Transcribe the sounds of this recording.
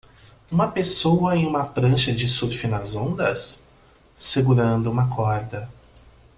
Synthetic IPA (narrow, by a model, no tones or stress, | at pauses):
ũmɐpesowɐẽj̃ũmɐpɾɐ̃ʃɐd͡ʒɪsuɾfɪnɐzõnd̪ɐsː | eɡuɾɐ̃nd̪ʊũmɐkʰɔɾd̪ɐ